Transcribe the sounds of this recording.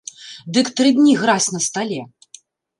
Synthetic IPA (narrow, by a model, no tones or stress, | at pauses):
d̪ɨkt̪ɾɨd̪ʲnʲiɣɾasʲnɐst̪alʲɛ